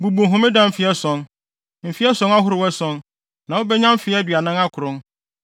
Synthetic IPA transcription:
bu˨bũ˨ɦʊ̃˦mɪ̃˦dã˦m̩˨fɪ˦ɛ˦sɔ̃˨˦n | m̩˨fi˦ɛ˦sɔ̃˦ŋa˦ɦʊ˦ɾɪ˨wɛ˦sɔ̃˦n | nã˨wo˦bɛ˦ɲã˦m˦fɪ˨˦ɛ˦dɥa˨nɪ̃˦ŋa˦kʰʊ˨ɾʊ̃˦

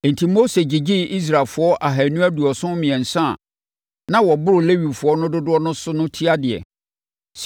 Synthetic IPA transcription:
n̩˨tʰi˨mo˦se˨d͡ʑi˨d͡ʑi˦i˦s̬ɾa˨lfʊ˨ɔ˦ʔa˨ɦa˨nũ˦æ˦du˨ɔ˨sʊ̃˦mɪ̃˨ɛ̃˨n̩˨sã˦˨ | nã˦wɔ˨bʊ˦ɾʊ˨le˦wi˨fʊ˨ɔ˦nʊ̃˦dʊ˦dʊ˦ɔ˦nʊ̃˦sʊ˦nʊ̃˦tʰi˦a˦dɪ˨ɛ̰˨ | s

